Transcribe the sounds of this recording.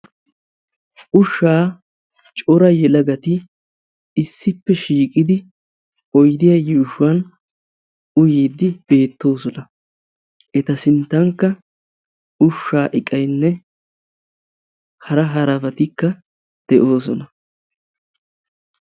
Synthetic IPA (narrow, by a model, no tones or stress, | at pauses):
ʔʊʃːaː | t͡ʃʼɔɾɐjɛlɐɡɐt̪ɪ | ɪsːɪpːɛʃiːkʼɪd̪ɪ | ʔɔjd̪ɪjɐjɪʊʃʊwɐn | ʊjiːd̪ːɪb̥e̞ːt̪ːo̞ːsɔnɐ | ʔɛt̪ɐsɪnt̪ːɐŋkːɐ | ʊʃːaːʔɪkʼɐjnːɛ | hɐɾɐɦɐɾɐfɐt̪ɪkːɐ | d̪̥ɛʔo̞ːs̬ɔnɐ